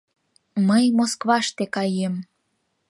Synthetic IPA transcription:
məjmoskβɑʃt̪ekɑjem

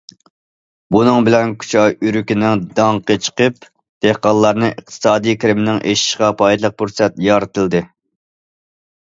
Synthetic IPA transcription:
bunɨŋbɪlɛnkʲʰy̥t͡ʃʰɑjyɾykʲinɪŋd̪ɑŋqət͡ʃʰə̥qəp̚ | d̪̥ehqɑnlˠːɑɾnɨʔəqt̪ʰɨ̥sɑːd̪ijkʰʲɾɪmɪnɪŋʔeʃi̥ʃʁɑpʰɑjd̪lˠəq̚puɾsɛt̪jɑːɾɨt̪ʰɨlˠd̪ɨ

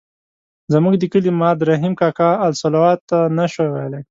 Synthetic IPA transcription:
zamuɡd̪əkəlimɑd̪ɾaɦimkɑkɑːlsalawɑt̪ːanaʃowele

